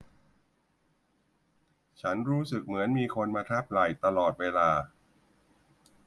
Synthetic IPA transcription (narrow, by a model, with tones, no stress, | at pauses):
t͡ɕʰa˦˥nɾuː˦˥sɯ˨˩k̚mɯ˩˦ənmiː˧kʰo˧nmaː˧t̪ʰa˦˥˩p̚la˨˩jt̪a˧lɔː˨˩t̪̚weː˧laː˧